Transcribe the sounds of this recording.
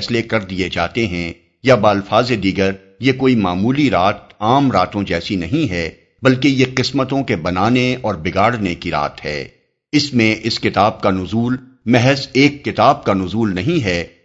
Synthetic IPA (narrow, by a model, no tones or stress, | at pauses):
slekɐɾd̪ied͡ʒa̰ːt̪eɦɛ̃ | jabaːlfaːzed̪iːɡəɾ | jekoːimaːmuːliɾaːt̪̚aːmɾaːt̪õd͡ʒɛːsinɐɦĩɦɛ | bɐlkejeqɪsmət̪õkebɐnaːneɔːɾbɪɡaːɽnekiɾa̰ːt̪ɦɛ̰ː | ɪsmẽʔɪskɪt̪aːb̚kanʊzuːl | mɛɦɛzeːkːɪt̪aːb̚kanʊzuːlnɐɦĩɦɛː